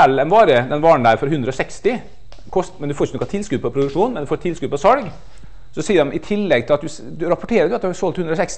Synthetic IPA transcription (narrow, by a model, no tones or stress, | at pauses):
ɛlːɛnʋɑːɾəd̪ɛnʋɑːɳ̩d̪æːɾfɔɾɦʉnd̪ɾəɔsɛkst̪ɪ | kʰɔst̪mɛnd̪ʉfoːɾɪçənɔkɑt̪ʰɪlskʉːpʰɔpʰɾʊd̪ʉkʂuːnmɛnd̪ʉfoːɾt̪ʰɪlskʉːpʰɔsɑlɡ | sɔsiːəɾɑmʔɪt̪ʰɪlːɛɡt̪ʰɪlɑt̪d̪ʉ | d̪ʉɾɑpɔʈʰeːɾəɖ̪ʉɑt̪̚d̪ʉhɑsɔlt̪ʰhʉnd̪ɾɔsɛks